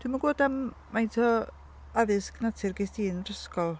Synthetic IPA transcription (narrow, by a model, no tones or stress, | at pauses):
tʰwimaɡoːdam | mːajntʰɔ | aðɪsknatʰɪrɡɪstiːnrəskɔlˠ